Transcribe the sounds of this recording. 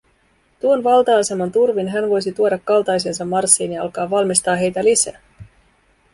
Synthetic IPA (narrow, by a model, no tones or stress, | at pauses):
t̪uo̞nʋɑlt̪ɑːse̞mɑnt̪urʋinɦænʋo̞jsit̪uo̞dɑkːɑlt̪ɑjsens̬ɑmːɑrsːiːnjɑɑ̰lkɑːʋɑlmist̪ɑːɦe̞jt̪ælisæ̰ː